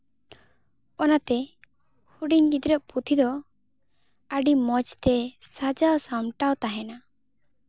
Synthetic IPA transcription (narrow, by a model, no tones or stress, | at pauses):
ɔnat̪ɛ | huɖiɲɡid̪ɾəʔpʰut̪ʰid̪ɔ | aɖimɔt͡ʃt̪ɛsad͡ʒawsamʈawt̪aɦɛna